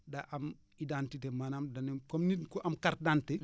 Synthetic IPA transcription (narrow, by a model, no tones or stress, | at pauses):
daʔam | idantitemanamdɐnikɔmnikɔʔɐmkar̚dante